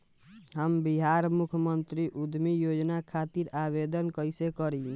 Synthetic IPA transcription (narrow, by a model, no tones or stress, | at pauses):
ɦəmbiɦaɾmukʰmənt̪ɾiʔud̪mijod͡ʒnakʰat̪iɾabed̪ənkəjsekəɾi